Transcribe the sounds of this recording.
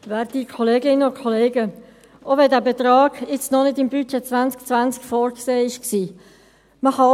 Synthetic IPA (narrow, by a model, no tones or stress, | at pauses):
vɛːɾtikʰɔleːɡɪnənʊkʰɔleːɡə | ʔovɛdæːbɛt̪rɑːɡ̥ɪt͡snɔnɪtɪmbyt͡ʃɛt͡svant͡skt͡svant͡skfɔːɾkseːɪʃksiː | məhɑ